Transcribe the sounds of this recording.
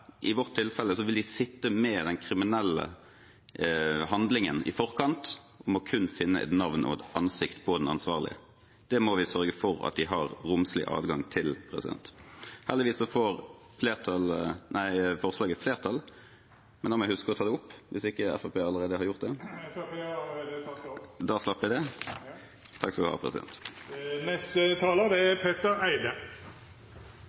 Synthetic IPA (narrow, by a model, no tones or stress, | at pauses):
ʔɪʋɔʁt̪ʰːɪlfɛlːəsɔʋɪld̪ɪsɪt̪ːəmɛd̪ɛnkʰɾɪmɪnɛlːə̰ | hɑnd̪lɪŋənɪ̰fɔʁkʰɑnt̪ | ʔɔmɔkʰʉnːfɪnːə̰ʔɛ̰t̪nɑʋnʔɔ̰ɛt̪ʔɑnsɪkt̪pʰɔd̪ɛnɑ̰nsʋɑːʁlɪ̰ə̰ | d̪̥ɛmɔʋɪsœɾɡəfɔɾɑ̰t̪̚d̪ɪɦɑʁɾʊmslɪ̰ʔɑ̰ːd̪ɡɑŋt̪ʰɪlpʰʁɛsɪ̰d̪ɛ̰nt̪hæːʁd̪ɪʋiːsːɔfɔɾ | fleːʁt̪ʰɑlnʔæɪfɔʁslɑːɡəfleːʁt̪ʰɑl | mɛnɔmɛhʉskəʁɔt̪ʰɑːd̪ɛʊpːʋɪsɪkːəɛ̰fæpʰeːɑlːəʁeːd̪əhɑɾʁjʊʁt̪̚d̪ɛ | d̪ɑːslɑpːɪd̪ɛ | t̪ʰɑkːsɔkɔʋ̪ɪhɑ̰ʁpʰʁɛ̰sɪd̪ɛ̰nt̪nɛst̪ət̪ʰɑːləd̪ɛæpʰeːt̪əɾæɪd̪ə